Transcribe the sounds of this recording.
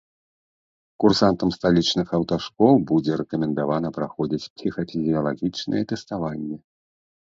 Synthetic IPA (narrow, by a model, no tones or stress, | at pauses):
kursant̪ɐmst̪alʲit͡ʂnɨxɐwt̪aʂkɔwˠbud͡zʲɛɾɛkɐmʲɛnd̪avan̪ɐpɾaxɔd͡zʲit͡sʲpsʲixɐfʲizʲijɐlˠaɣʲit͡ʂnɐ̰jɛt̪ɛst̪avanʲːɛ